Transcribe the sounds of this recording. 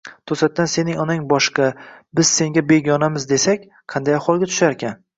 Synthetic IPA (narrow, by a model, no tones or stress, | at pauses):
t̪ʰosat̪̚ːanse̞nɪŋɒnaŋbɒʃqɑbɪz̥se̞ŋɡʲabeɡʲɒnamɪzd̪e̞sakʲ | qʰɑnd̪ajaχwɒlˠɡʲat̪ʰʊ̥ʃaɾekʲʰan